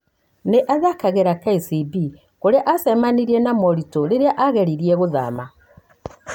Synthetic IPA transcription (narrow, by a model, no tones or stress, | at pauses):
neʔaðakaɣeɾakaisibi | koɾeaʔasɛmaniɾienamɔɾitoɾeɾeaʔaɣeɾiɾieɣoða̰ma